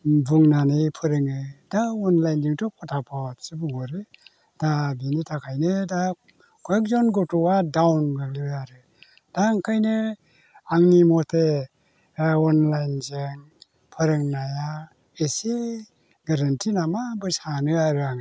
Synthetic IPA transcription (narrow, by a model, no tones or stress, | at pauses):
buŋnanɯjpʰɯɾɯŋɯdaɔnlajnd͡ʒɯŋtɔpʰɔtʰapʰɔt̚sɯbuɡɔɾɯ | d̥abinitʰakʰajnɯda | kʰɔɔk̚zɔnɡɔtɔadawnɡak̚lijaɾɯ | d̥aŋkʰajnɯ | aŋnimɔtʰe | ɔnlajnzeŋ | pʰɯɾɯŋnaja | ese | ɡaɾantʰinamabɯsanɯaɾɯaŋ